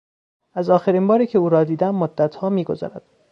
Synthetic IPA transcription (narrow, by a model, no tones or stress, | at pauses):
ʔæzɒːxeɾiːnbɒːɾiːcʰe̞uːɾɒːd̪iːd̪æmːod̪ːæt̪ʰhɒːmiːɡo̞zɒ̰ːɾæd̪̥